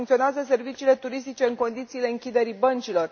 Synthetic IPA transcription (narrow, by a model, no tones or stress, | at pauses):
ŋk̪io̞neazəs̬e̞rvit͡ʃiːle̞t̪uɾis̬t̪it͡ʃe̞ɨŋko̞nd̪it̪siːle̞ɨŋkʲid̪e̞ɾibənt͡ʃilo̞r